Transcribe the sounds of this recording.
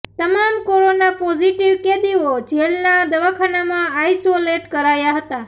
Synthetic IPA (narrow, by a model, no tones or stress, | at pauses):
t̪əmamkoɾonapod͡ʒiʈiʋked̪iod͡ʒelnad̪əʋakʰanamãajsoleʈkəɾajaɦət̪a